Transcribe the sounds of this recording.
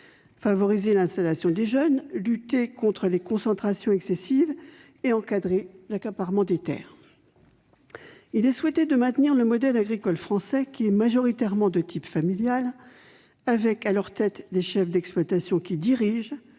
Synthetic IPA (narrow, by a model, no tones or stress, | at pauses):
favɔʁizelɛ̃st̪alasjɔ̃d̪eʒœnlyt̪ekɔ̃t̪χəlekɔ̃sɑ̃t̪χasjɔ̃ɛksesiv | eɑ̃kad̪ʁelakapaʁmɑ̃d̪et̪ɛ̰ːʁ | ilɛswɛt̪ed̪əmɛ̃t̪niʁləmɔd̪ɛlaɡʁikɔlfχɑ̃sɛkʲiɛmaʒɔʁit̪ɛʁmɑ̃d̪ət̪ʰipfamiljal | avɛkalœʁt̪ɛt̪d̪eʃɛfd̪ɛksplwat̪asjɔ̃kʲid̪iʁiʒ